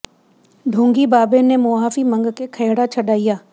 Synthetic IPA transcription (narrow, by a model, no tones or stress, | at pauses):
ɖ̪ʱõːŋɡibaːbenemoːɦaːfimə̃ŋɡkekʰɐːɽat͡ʃʰəɖaːijaː